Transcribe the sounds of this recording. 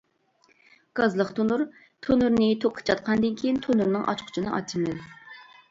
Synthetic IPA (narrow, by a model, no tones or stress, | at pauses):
ɡ̥ɑzlˠəχt̪ʰonuɾ | t̪ʰonuɾnɨt̪ʰoqʰːə̥t͡ʃʰɑt̪̚qʰɑnɨd̪ɨnkʲʰejint̪ʰonuɾnɨŋʔɑ̰t͡ʃqʰʊ̥t͡ʃʰinɨ̰ʔɑ̰t͡ʃʰːimɪz